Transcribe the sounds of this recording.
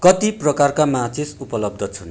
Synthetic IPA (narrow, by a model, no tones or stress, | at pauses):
kʌt̪iprʌkarkamat͡sʰisupʌlʌb̚d̪ʱʌt͡sʰun